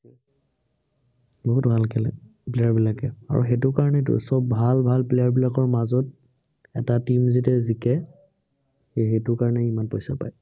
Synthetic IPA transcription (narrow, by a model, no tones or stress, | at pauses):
boɦutbʱalkɛlɛ̰ | plejaɹbilakɛ̰a̰ɹṵxetʊkaɹɔnɛt̬ʊ̰sɔbːʱalbʱalplejaɹbilakɔɹmazɔt | ɛ̰tatimzitɛzikɛ | xexetʊɹkaɹɔnɛimanpojsa̰pa̰j